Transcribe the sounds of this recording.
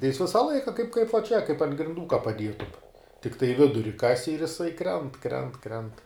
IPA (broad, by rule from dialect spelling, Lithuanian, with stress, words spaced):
tɐɪ jɪs ˈʋʲɪsɐ ˈlˠɐɪkɐ kɐɪp kɐɪp ʋɐ t͡ʃʲɛ kɐɪp ɐnt ɡrʲɪnˈduː kɐ pɐˈdʲiɛtʊm tʲɪkˈtɐɪ ˈʋʲɪdʊrʲɪ ˈkɑːsʲɪ ɪr jɪˈsɐɪ ˈkrʲɛnt ˈkrʲɛnt ˈkrʲɛnt